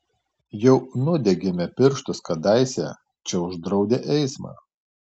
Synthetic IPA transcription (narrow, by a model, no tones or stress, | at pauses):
jɛʊnʊd̪ʲɛɡʲɛmʲɛpʲɪɾʃt̪ʊskɐd̪ɑɪsʲɛ̰ | t͡ʃʲɛʊʒd̪ɾɒʊd̪ʲeʔɛɪsmɑ̰ː